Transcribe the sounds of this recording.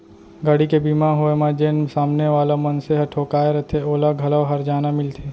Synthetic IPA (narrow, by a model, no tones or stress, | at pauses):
ɡaːɽikebiːmãɦoemãd͡ʒeːnsaːmneʋaːlamɐnseɦɐʈʰoːkaːeɾɐt̪ʰeoːlaɡʱɐlaʋɦɐɾd͡ʒaːnamɪlt̪ʰeː